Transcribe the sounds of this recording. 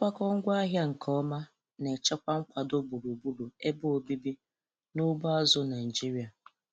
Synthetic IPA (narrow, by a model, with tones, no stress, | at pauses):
kʷa˦kɔ˦ŋ̩˦ɡʷa˦ɦja˦ŋ̩˨kʰɔ˦ma˦ | ne˨t͡ʃa˦kʷa˦ŋ̩˦kʷa˨do˦bu˨ɾu˨bu˦ɾu˨e˦bʊ˦o˨bi˦bi˦ | nʊ˦bʊ˦a˦zʊ˦na˨ɪ˨d͡ʒi˦ɾi˨˦a˨